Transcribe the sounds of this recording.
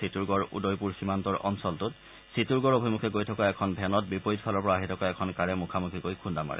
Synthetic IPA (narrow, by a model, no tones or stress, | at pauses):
ituɹɡɔɹṵdojpuɹximantɔɹɔ̰nsɔltʊt | situɹɡɔɹobʱimukʰɛkojtʰɔkaɛkʰɔnbʱɛnɔt̚bipoɹitpʰalɔɹpɔɹaɦitʰɔkaɛkʰɔnkaɹɛmukʰamukʰikojkʰundama̰ɹɛ̰